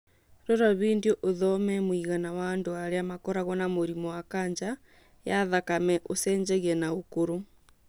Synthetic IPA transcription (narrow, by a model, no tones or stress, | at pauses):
ɾoɾaβiːndijoʔoðɔmɛmwiɣanawandoaɾeamakɔɾaɣɔnamoɾimɔwakaːɲd͡ʒa | jaðakamɛʔosɛːɲd͡ʒɛɣiɛnaokoɾo